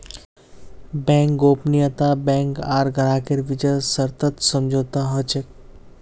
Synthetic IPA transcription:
bɛ̃ːŋk̚ɡoːpnijət̪abɛ̃ːŋkaːɾɡʱəɾaːkeɾʋid͡ʒəsəɾt̪ət̪sɐmd͡ʒʱoːt̪aɦot͡ʃek̚

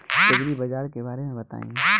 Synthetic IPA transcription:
ʃɐɡɾibɐd͡ʒaːɾkebaːɾemẽbɐt̪a̰ːḭ̃

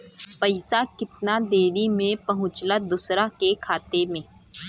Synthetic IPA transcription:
pəɪsakɪt̪nad̪eːɾimẽpəɦʊ̃t͡ʃlad̪ʊsɾakekʰaːt̪emẽː

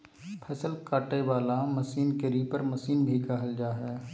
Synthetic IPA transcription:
pʰɛːsəlkaːʈeʋaːlamɐsiːnkeɾipɐɾmɐsiːnbʱiɡɐɦəld͡ʒaːɦɛː

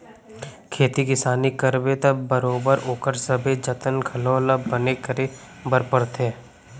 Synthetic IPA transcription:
kʰeːt̪ikɪsaːnikəɾbet̪ɐbəɾoːbəɾoːkəɾsɐbʱed͡ʒət̪ənɡʱɐlõːləbənekəɾe | bəɾpəɽt̪ɦe

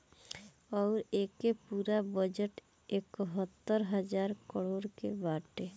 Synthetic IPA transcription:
ɔːɾeːkepuːɾabəd͡ʒəʈ | ekɦət̪ːəɾɦəd͡ʒaːɾkəɽoɾkebaːɾʈe

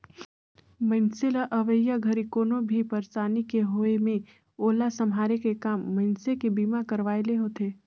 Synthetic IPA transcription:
mɐ̃nselaʔɐʋəjaɡʱɐɾikoːnõbʱipɐɾsaːnikeɦoːemẽ | oːlasɐmɦaːɾekekaːmːɐ̃ɪnsekebiːmakɐɾʋaːeleɦoːt̪eː

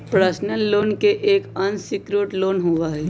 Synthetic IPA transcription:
pɾəsnəlːoːnkeʔeːkɐnsɪkɾuʈloːnɦuaɦɛː

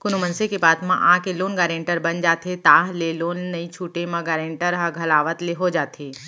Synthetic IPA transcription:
kʊnumənsekebaːt̪ʰmãʔãːkeloːnɡaːɾẽːɳʈəɾbɐnd͡ʒaːt̪et̪aːɦleloːnːɐit͡ʃʰuːʈemãɡaːɾẽːɳʈəɾɦɐɡʱɐlaːʋət̪leɦod͡ʒaːt̪ʰeː

